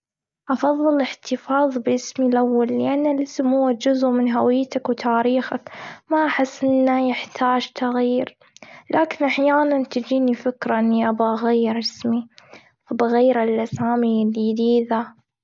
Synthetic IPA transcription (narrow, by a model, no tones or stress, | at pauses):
ʔɑfɑðˤːɨlɪħt̪ɪfɑːðˤbʔɪsmilʔawːalːɪʔanːɪlʔɪsmhʊwːad͡ʒʊzʔmɪnɦawɪjːt̪akwt̪ʰaːɾiːxakmaʔaħɪsːʔɪnːajɪħt̪ʰaːd͡ʒt̪aɣiːɾ | laːkɪnʔaħjaːnant̪d͡ʒiːnifɪkɾaʔɪnːiʔabaʔaɣajːɪɾʔɪsmi | fabɪɣajːɾalʔasaːmilid̪iːða